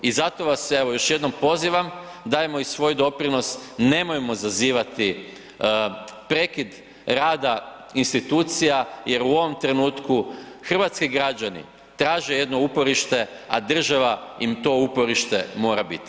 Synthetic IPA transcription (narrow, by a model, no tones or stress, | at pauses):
izat̪o̞ʋase̞ʋo̞jo̞ʃje̞d̪no̞mpo̞ziːʋam | d̪ajemo̞isʋo̞jd̪o̞pɾino̞sne̞mojemo̞zaziːʋat̪i | pɾe̞kid̪ | ɾaːd̪a | inst̪it̪uːt̪sijaje̞ɾuo̞ʋo̞mt̪ɾe̞nuːt̪kuxr̩ʋat̪skiɡɾad͡ʒanḭ | t̪ɾaːʒe̞je̞d̪no̞upo̞ɾiʃt̪e̞ | ad̪r̩ʒaʋaimt̪o̞upo̞ɾiʃt̪e̞̰mo̞ːɾabit̪i̥